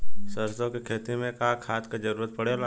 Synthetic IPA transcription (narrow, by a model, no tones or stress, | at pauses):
səɾsõkekʰeːt̪imẽkaːkʰaːt̪kad͡ʒɐɾuːɾət̪̚pɐɽelaː